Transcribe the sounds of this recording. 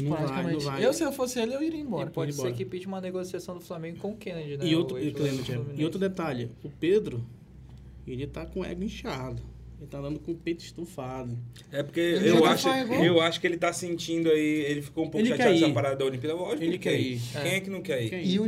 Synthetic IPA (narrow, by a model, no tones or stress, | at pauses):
nɐ̃ɾ̃aaɐmẽɐ̃vaewsɪewfosɪelewiɾeĩbɔɾɐpɔd͡ʒɪ̃sbɔeɾɾkɪpit͡ʃɪũmɐneɡosiasɐ̃w̃d̪ʊflamẽɡʊkõʊkẽned͡ʒɪnɛiot̪ɾʊklẽbɾɐt͡ʃɛiowt̪ɾʊd̪et̪aʎɪʊped̪ɾʊ | elɪt̪akõɛ̰ɡĩʃad̪ʊelɪt̪ad̪ɐ̃nd̪ʊkõpet͡ʃɪ̥ʃt̪ufad̪ʊ | ɛpoɾkeewʃaɡaewaʃʊ̥kɪelɪt̪asẽnt͡ʃĩd̪ʊaielɪfi̥koũpokelakɛiɐpaɾad̪ɐd̪ɐolĩpiɐd̪ɐvɔʒẽkɛikẽɛkɪnɐ̃w̃kɛɾiki